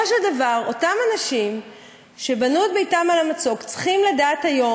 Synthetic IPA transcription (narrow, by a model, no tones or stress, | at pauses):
oʃeldavaʁo̞tamanaʃim | ʃe̞banuet̪̚bejtamalamat͡so̞kt͡sχimladaːt̪hajo̞